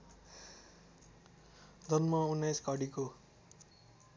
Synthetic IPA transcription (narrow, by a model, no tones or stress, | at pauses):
d͡zʌnmaunːajskʌɽiko